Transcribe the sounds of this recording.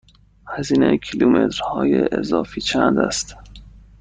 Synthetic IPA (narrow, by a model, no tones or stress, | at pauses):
hæziːnejkʰilumet̪ɾhɒːjeʔezɒːfiːt͡ʃʰænd̪æ̰st̪